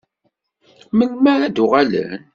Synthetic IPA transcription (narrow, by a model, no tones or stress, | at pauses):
məlmæɾæd̪ʊʁalə̰n